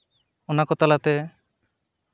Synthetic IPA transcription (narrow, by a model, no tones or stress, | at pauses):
ɔnakɔt̪alat̪ɛ